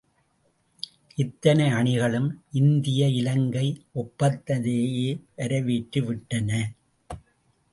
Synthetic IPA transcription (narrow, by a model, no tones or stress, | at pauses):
ʔɪt̪ːɐnɐɪɐɳɪɣɐɭɯmʔɪnd̪ɪjɐɪlɐŋɡɐɪʔɔpːɐt̪ːɐðeːjeːʋɐɾɐʋiːʈːɯʋɪʈːɐnɐ